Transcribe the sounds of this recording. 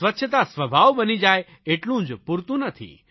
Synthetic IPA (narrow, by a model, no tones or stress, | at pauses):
ʋətːʃʰət̪̬asʋəbʱaʋbənid͡ʒaj | eʈlũːd͡ʒpuɾt̪ũnət̪ʰḭ